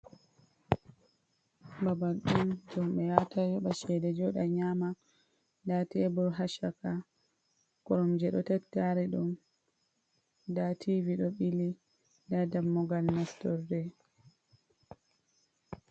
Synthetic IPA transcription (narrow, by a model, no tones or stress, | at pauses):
babalɗund͡ʒɔmɓɛjatʰad͡ʒɔɓaʃɛdɛd͡ʒɔɗaɲama | datɛːbɔɾɦaʃaka | kɔɾɔmd͡ʒɛɗɔtatːaɾɛɗum | datʰiviɗɔɓili | dadamːɔɡalnastɔɾdɛ